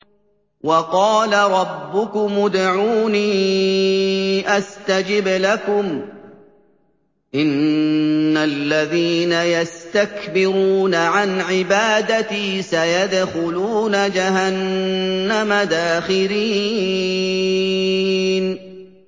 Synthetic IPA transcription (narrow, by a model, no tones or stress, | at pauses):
wɑqɑːlaɾˤɑbːʊkʊmʊd̪ʕuːniː | ʔast̪ad͡ʒɪblakʊm | ʔɪnː | alːaðiːnajast̪akbɪɾuːnaʕanʕɪbaːd̪at̪iːsajad̪xʊluːnad͡ʒahanː | amad̪aːxɪliː | n